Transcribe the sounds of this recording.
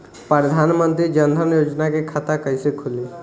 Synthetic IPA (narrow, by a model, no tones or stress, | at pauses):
pɾɾəd̪ʱaːnmə̃nt̪ɾid͡ʒənd̪ʱənjoːd͡ʒnakekʰat̪akəisekʰʊli